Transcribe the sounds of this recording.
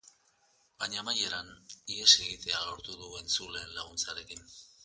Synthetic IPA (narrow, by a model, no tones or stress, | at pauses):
baɲamaje̞ɾaniese̞ɣit̪e̞alo̞ɾt̪uðue̞nsule̞ːnlaɣ̞unt͡saɾe̞kin